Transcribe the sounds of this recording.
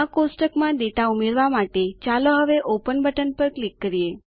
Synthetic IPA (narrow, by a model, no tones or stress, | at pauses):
akosʈəkmãd̪eʈaumeɾʋamaʈet͡ʃaloɦəʋeʔopənbʱəʈənpəɾklikːəɾije